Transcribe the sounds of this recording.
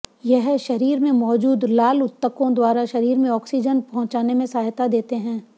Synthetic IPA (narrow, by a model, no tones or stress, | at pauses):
jɛɦʃɐɾiːɾmẽmɔːd͡ʒuːd̪laːlʊt̪ːəkõd̪waːɾaʃɐɾiːɾmẽɔːksid͡ʒənpɐɦʊ̃t͡ʃaːnemẽsaːɦt̪ad̪eːt̪eɦɛ̃ː